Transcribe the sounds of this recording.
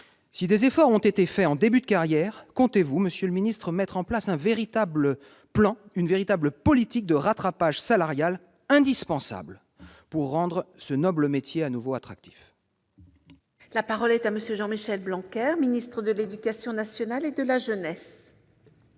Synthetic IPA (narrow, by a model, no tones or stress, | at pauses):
sid̪ezefɔʁɔ̃t̪et̪efɛɑ̃d̪ebyd̪əkaʁjɛʁkɔ̃t̪evuməsjøləminist̪χəmɛt̪χɑ̃plasɛ̃veʁit̪ablə | plɑ̃ynveʁit̪abləpɔlit̪ik̚d̪əʁat̪χapaʒsalaʁjal | ɛ̃d̪ispɑ̃sa̰bl | puʁːɑ̃d̪ʁəsənɔbləmet̪jeanuvoat̪χak̚t̪i̥f | lapaʁɔlɛt̪aməsjøʒɑ̃miʃɛlblɑ̃kʲɛʁminist̪χəd̪əled̪ykasjɔ̃nasjɔnaled̪əlaʒənɛs